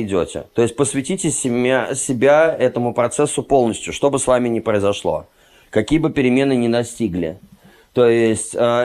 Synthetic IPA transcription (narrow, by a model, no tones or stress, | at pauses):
dʲo̰tʲɪ̰t̪o̞jɪsʲt̚ʲpəsvʲɪtʲitʲɪsʲɪbʲaɛt̪əmʊpɾɐt̪sɛsːʊpo̞lˠnəsʲtʲjʊʂt̪o̞bɨsvamʲɪnʲɪpɾəɪzɐʂlˠo̞̰ | kɐkʲijəbɨpʲɪɾʲɪmʲe̞nɨnʲɪnɐsʲtʲiɡlʲɪ̰ | t̪o̞ɪsʲtʲə